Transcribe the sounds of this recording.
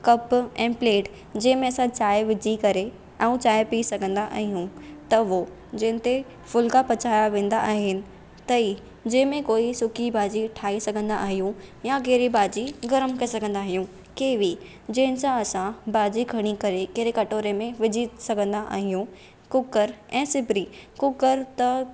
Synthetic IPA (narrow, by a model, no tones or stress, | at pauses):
kɐpɛ̃ːpleːʈ | d͡ʑɐ̃ɦɪ̃mẽɐsãt͡ɕaːɪʋɪd͡ʑikɐɾe | ɐ̃ũt͡ɕaːɪpiːsɐɡʱə̃nd̪aʔa̰ːɦijũt̪ɐʋo | d͡ʑɐ̃ɦɪ̃n̆t̪e | fʊlkapɐt͡ɕaːjaʋẽːn̆d̪aʔaːɦɪnɪ̆ | t̪ɐi | d͡ʑɐ̃ːɦɪ̃mẽkoːisʊkʰibaːd͡ʑiʈʰaːisɐɡʱə̃nd̪aʔaːɦijũjakeːɾibaːd͡ʑiɡɐɾəmkɐesɐɡʱə̃nd̪aːɦijũ | keːʋi | d͡ʑɐ̃ɦɪ̃nɪ̆sãɐsãbaːd͡ʑiɡʱɐɽ̃ikɐɾekeɾekɐʈoːɾemẽʋɪd͡ʑʱisɐɡʱə̃nd̪aʔa̰ːɦijũ | kʊkəɾɛ̃ːsɪbɾikʊkəɾt̪ɐ